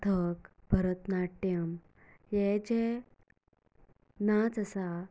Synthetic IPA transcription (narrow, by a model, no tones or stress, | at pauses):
t̪ʰəkbʱəɾət̪naʈːjəm | jed͡ʑe | nat͡səsa